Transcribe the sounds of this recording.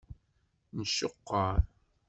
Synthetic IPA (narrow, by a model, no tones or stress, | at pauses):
nəʃːoqːɑɾ